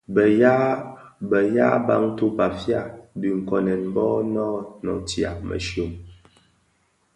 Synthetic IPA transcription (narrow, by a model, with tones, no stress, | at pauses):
bja˦ | bə˨ja˦ba˦ŋ˦tu˦pa˨fja˦˨bi˨ŋ̩˨kɔ˨nɛ˨nmbɔ˦nɔ˦nɔ̰˨tja̰˨mə̰˨ʃjo˨m